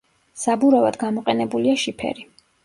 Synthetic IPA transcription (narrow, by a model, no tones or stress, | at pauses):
sabuɾava̰d̪̥ɡamɔqʼɛnɛbuliaʃipʰɛ̰ɾi